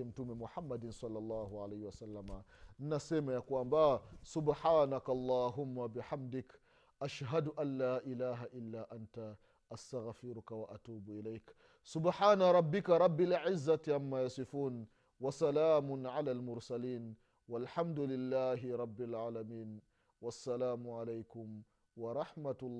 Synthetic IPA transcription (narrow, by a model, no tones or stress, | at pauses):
ɪmt̪umɪmʊħamːad̪ɪnsˤɑlːɑlˤːɑːhʊʕalajhwasalːaman̩nːaseːmajakuambasʊbħaːnakalˤːɑːɦʊmːabɪħamd̪ɪk | ʔaʃɦad̪ʊʔanːaːʔɪlaːɦaʔɪlːaːʔant̪a | ʔast̪aɣfɪɾʊkawaʔat̪uːbʔɪlajk | sʊbħaːnaɾˤɑbːɪkaɾˤɑbːalʕɪzːat̪ʕamːajasɪfuːn | wasalaːmʊnʕalaːlmʊɾsaliːn | walħamd̪ʊlɪlːaːɦɪɾˤɑbːalʕaːlamiːn | wasːalaːmʊʕalejkʊm | wɑɾˤɑħmat̪ː